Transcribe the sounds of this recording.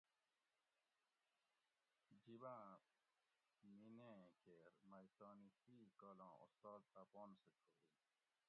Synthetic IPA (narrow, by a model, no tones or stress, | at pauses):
d͡ʑibãː | minẽkeɾmɐjt̪ɔːnit̪iːkɔːlã̰ːṵst̪ɔːl̚t̪aːpɔːnsetʰoːɾi